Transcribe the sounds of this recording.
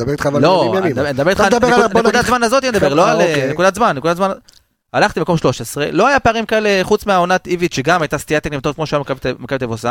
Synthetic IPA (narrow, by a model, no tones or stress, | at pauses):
beʁit̪χavalod̪nd̪abeit̪akneud̪at̪zmanazot̪ijɛmed̪abeʁloalnekud̪at̪zmanːekud̪atzman | alaχt̪imako̞mʃlo̞ʃesʁe̞̰lo̞ajapeaʁimkae̞leχut͡smeao̞nat̪ivit̪ʃeɡamajt̪ast̪iat̪eknimt̪ot̪kmoʃamkmekaet̪avosa